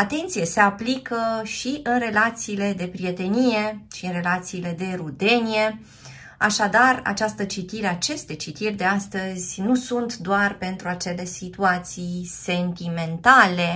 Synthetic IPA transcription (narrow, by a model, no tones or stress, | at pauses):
at̪e̞nt̪sijese̞aplikəʃiʔɨnre̞lat̪siːle̞d̪e̞pɾie̞t̪e̞nije̞ʃiɨnre̞lat̪siːle̞d̪e̞ɾud̪e̞nije̞ | aʃad̪ara̰t͡ʃast̪ət͡ʃit̪iɾeat͡ʃe̞st̪e̞t͡ʃit̪irʲd̪e̞ast̪əzʲnusunt̪d̪oarpe̞nt̪ɾuat͡ʃe̞le̞sit̪uat̪sijse̞nt̪ime̞nt̪ale̞